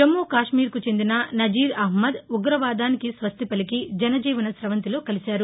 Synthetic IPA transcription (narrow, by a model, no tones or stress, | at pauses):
ɐmːuːkaːʂmiːɾkut͡ʃe̞nd̪inɐnɐd͡ʒiːɾɐɦmɐd̪uɡɾɐʋaːd̪aːnikisʋɐst̪ʰipɐlikid͡ʒɐnɐd͡ʒiːʋɐnɐsɾɐʋɐnt̪ilo̞ːkɐlisaːɾu